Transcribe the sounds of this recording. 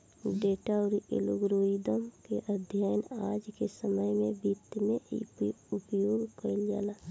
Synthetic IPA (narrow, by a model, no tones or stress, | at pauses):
ɖeːʈaʊɾḛloɡɾoːid̪əmkeʔəd̪ʱjajənaːd͡ʒkesəməjmẽbit̪mẽpʊpjoːɡkəld͡ʒa̰ːlaː